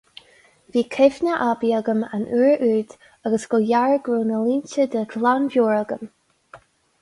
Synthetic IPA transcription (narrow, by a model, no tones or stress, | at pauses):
viːkʰɪvnəʔabiəɡəma̰nʔuːɹʔʉːd̪ | aɡəsɡ̥ɔjaɹɡ̥ɹuːnəliːnt͡ʃəd̪əɡlanvjoːɹəɡəm